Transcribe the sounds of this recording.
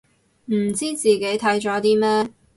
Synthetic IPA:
m̩˨˩t͡siː˥t͡siː˨ke˨˥jt̪ʰɐ˨˥jt͡ʃɔː˨˥t̪iː˥mɛː˥

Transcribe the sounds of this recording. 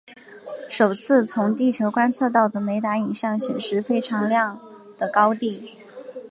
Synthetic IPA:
ʂo˨˩ʊt͡sʰɹ̩˥˩t͡sʰʊ˧˥ŋt̪i˥˩t͡ɕʰjo˧˥ʊkwa˥nt͡sʰɤ˥˧t̪̬ɑ˥˩ʊd̪ə˩ne˧˥ɪt̪a˧˥ni˨˩ɕjɑ˥˩ŋɕjɛ˨˩nʂɻ̩˧˥fe˥ɪʈ͡ʂʰɑ˧˥ŋljɑ˥˩ŋ | d̪̥ə˩kɑ˥ʊt̪i˥˩

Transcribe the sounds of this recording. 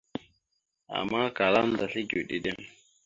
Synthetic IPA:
ʔa̰˨mːa˦ka˨la˦nda˨ɬi˦ɡu˨ɗḭ˨dɛ˦m

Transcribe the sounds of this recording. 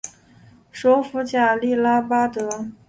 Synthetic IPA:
ʂɔ˧˥fu˧˥t͡ɕja˥˩li˥˩la˥pa˥t̪ɤ˧˥

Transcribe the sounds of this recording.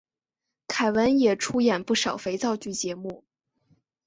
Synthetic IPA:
kʰa˨˩ɪwə˧˥njɛ˨˩ʈ͡ʂʰu˥jɛ˨˩npu˥˩ʂɑ˨˩ʊfe˧˥ɪt͡sɑ˥˧ʊt͡ɕy˥˩t͡ɕjɛ˧˥mu˥˩

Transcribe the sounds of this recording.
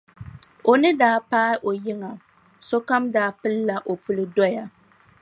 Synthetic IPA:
o˨nɨ˦daː˦paː˦ʔo˨jɪ˦ŋa˨ | so˦ka˦mdaː˦pɨ˦lːa˨ʔo˨pʰu˦lɨ˦dɔ˦ja˦

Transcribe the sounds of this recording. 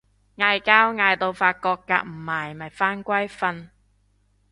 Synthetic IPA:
ŋaː˧jkaː˥wŋaː˧jt̪o˧wfaː˧t̚kɔː˧kːa̰ː˧k̚m̩˨˩maː˨˩jmɐ˨˩jfaː˥nkʷɐ˥jfɐ˧n

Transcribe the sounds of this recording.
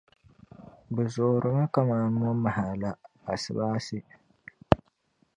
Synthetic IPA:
bɛ˨zoː˨ɾɨ˨mɨ˦ka˦maː˨ŋɔ˦ma˨ha˨la˦ | a˨sɨ˨baː˦sɪ˦

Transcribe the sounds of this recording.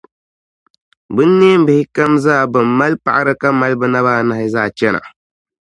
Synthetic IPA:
bɨ˦nːeː˦m̩˦bɨ˨hɪ˦ka˦mzaː˦˨bɨ˨mːa˦lpa̰˨ʔa˦ɾɨ˦ka˦ma˦lbɨ˦na˦βaː˦na˨hɪ˦zaː˦˨t͡ʃɛ˦na̰˨

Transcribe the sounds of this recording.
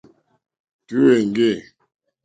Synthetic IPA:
ki˦we˨ŋ˨ɡe˦˨

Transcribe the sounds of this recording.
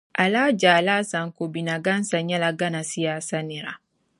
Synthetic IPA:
ʔa˨laː˦d͡ʒa˨laː˦sã˨ŋko˨bi˨na˨ɡã˦n˦sã˨ɲa˦la˨ɡa˦na˨si˦jaː˨sa˦ni˨ɾa̰˨

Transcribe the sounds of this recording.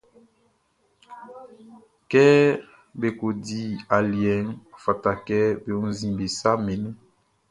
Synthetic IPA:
kɛ˦ | be˨ko˨di˦a˨ljɛ˨˦ŋ˨fa˨ta˨kɛ˦be˨o˦n˦zi˨mbe˨sa˦mɛ˨nɛ˦

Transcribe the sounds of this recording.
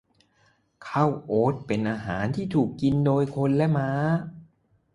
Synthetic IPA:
kʰa˥˩wʔoː˦˥t̪̚pe˧nʔaː˧ɦaː˩˦nt̪ʰiː˥˩t̪ʰuː˨˩kːi˧ndoː˧jkʰo˧nlɛ˦˥maː˦˥

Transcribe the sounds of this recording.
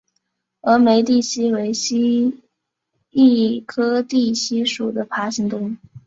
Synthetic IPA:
ə˧˥me˧˥ɪt̪i˥˩ɕi˥we˧˥ɪɕi˥ | i˥˩kʰɤ˥t̪i˥˩ɕi˥ʂu˨˩d̪ə˦pʰa˧˥ɕi˧˥ŋt̪ʊ˥ŋ

